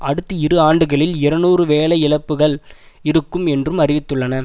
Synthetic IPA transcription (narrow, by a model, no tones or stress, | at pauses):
ʔɐɽɯt̪ːɯɪɾɯaːɳɖɯɣɐɭɪlɪɾɐnuːrɯʋeːlɐɪɪlɐpːɯɣɐɭ | ɪɾɯkːɯmɛndrɯmɐrɪʋɪt̪ːɯɭːɐnɐ